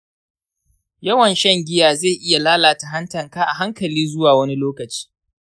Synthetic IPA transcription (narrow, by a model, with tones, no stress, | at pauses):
jɐ˦wɐ˨nʃɛ˦ŋɡʲɪ˦jaː˨ze˦˨ʔɪ˦ja˨laː˦laː˨ta˨ɦɐ˦ntɐ˨ŋkaː˦ʔa˨ɦa˦ŋkɐ˨liː˦zʊ˦waː˨wɐ˦ni˦loː˦kɐ˨t͡ʃi̥ː˦